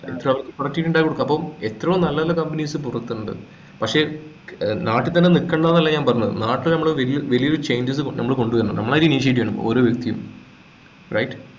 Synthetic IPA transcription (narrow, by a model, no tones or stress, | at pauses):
ḛt̪ːrɐmɐʋɐrkːɨpɐrɐkʈːiʈːuɳɖaːjikoɽukːaɐpːoːme̞t̪ːrɐʋumnɐlːɐðlːɐkɐmpɐnisɨpurɐkt̪ːuuɳɖɨ̰ | pɐkʂe̞ː | naːʈːit̪ɐnːe̞nikːɐɳɖaːnɐlːɐɲaːnpɐrɐɲːɐðɨ̰naːʈːilnɐmːɐɭeʋelijʋɐlijo̞ɾut͡ɕe̞jɲd͡ʑɐs̬ɨknɐmːɐɭko̞ɳɖuʋɐɾnːɐ̰nɐ̰mːɐɭaːjiɾuiniʂ̬jeʈ̬ːiʋeɳɐmbo̰oːɾo̞ːʋjek̚t̪ijṵm | rɐ̰jʈ